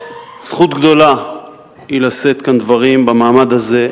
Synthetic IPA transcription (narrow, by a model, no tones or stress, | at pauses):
sχut̪ɡd̪o̞la | ilase̞t̪kand̪vaʁimbamaːmad̪haze̞